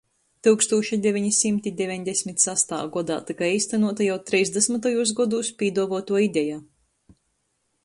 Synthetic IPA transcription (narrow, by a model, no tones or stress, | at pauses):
t̪ɨwkst̪uːʃid̪ʲevʲiɲisimt̪id̪ʲevʲiɲd̪ʲɛsʲmʲit̪sast̪a̰ːɡɔd̪a̰ːt̪ikajiːst̪anuɔt̪ajawt̪ɾɛjzd̪ɛsmat̪ajuːs̬ɡɔd̪uːspʲiːd̪uɔvuɔt̪uɔid̪ʲɛjaː